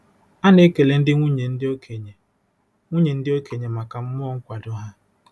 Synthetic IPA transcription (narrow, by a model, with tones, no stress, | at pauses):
a˦ne˦ke˨le˨n̩˦dɪ˦ŋʷu˦ɲe˨n̩˦dɪ˦o˦kʰe˨ɲe˨ | ŋʷu˦ɲe˨n̩˦dɪ˦o˦ke˨ɲe˨ma˨ka˨m̩˦m˦ɔ˦ŋ̩˦kʷa˨dʊ˦ɦa˦